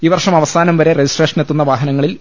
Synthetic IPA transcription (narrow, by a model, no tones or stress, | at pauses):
iːʋɐrʂɐmɐʋɐsaːnɐmʋɐɾe̞red͡ʑisʈreːʂɐnet̪ːunːɐʋaːɦɐnɐŋːɐɭil